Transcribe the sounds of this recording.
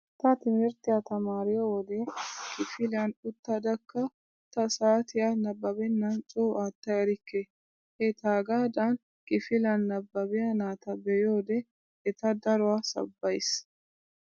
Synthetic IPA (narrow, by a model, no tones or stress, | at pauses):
t̪ɐt̪ɪmɪɾt̪ɪjɐt̪ɐmaːɾɪjowɔd̪ɛkʼɪfɪlɐnʊt̪ːɐd̪ɐkːɐ | t̪ɐsaːt̪ɪjanɐbːɐbɛnːɐnt͡ʃʼoːʔaːt̪ːɐjɛɾɪkːe | hɛt̪aːɡaːd̪an | kʼɪfɪlɐnːɐbːɐbɪjɐnaːt̪ɐbɛjoːd̪ɛ | ɛt̪ɐd̪ɐɾʊwaːsɐ̰bːɐjs